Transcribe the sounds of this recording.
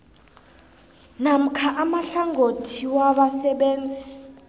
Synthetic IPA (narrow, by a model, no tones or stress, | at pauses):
nam̩kʰaʔamaɬaŋɡʱotʰiwaɓasɛɓeːnd͡zʱi